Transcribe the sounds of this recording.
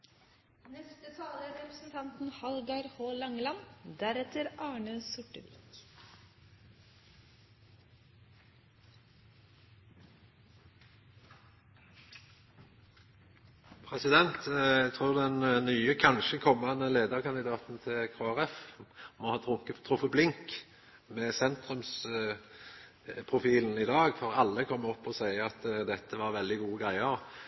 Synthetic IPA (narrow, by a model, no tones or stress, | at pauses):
nɛst̪ət̪ʰɑːləæɾɛpɾəsn̩t̪ʰɑnt̪n̩hɑlɡɑɾhoːlɑŋlɑnd̪æɾɛt̪əɾɑːɳəsʊʈəʋḭːk | pʰʁɛsɪd̪ɛnt̪æt̪ʰʁuːʁd̪ɛnnyːəkʰɑnʃəkʰɔmːɑnəleːd̪əʁkʰɑnd̪ɪd̪ɑːt̪n̩t̪ʰɪkʰoːæʁɛfmɔhɑːt̪ʁʊŋkəʁʊfəblɪŋk | mɛːsɛnt̪ʁʉms | pʰʁʊfiːln̩ɪd̪ɑːɡfɔʁɑlːəkʰɔmːɔpːɔsæɪɑt̪d̪ɛt̪ːəʋɑʁʋɛld̪ɪɡuːəɡʁæɪəʁ